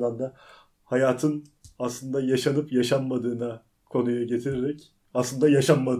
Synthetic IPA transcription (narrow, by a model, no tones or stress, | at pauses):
lˠand̪a | hajaːt̪ʰɯn | aslˠɯnd̪ajaʃanɯpjaʃanmad̪ɯːna | kʰo̞nujaɟe̞t̪ʰiɾeɾɛc | aslˠɯnd̪ajaʃanmad̪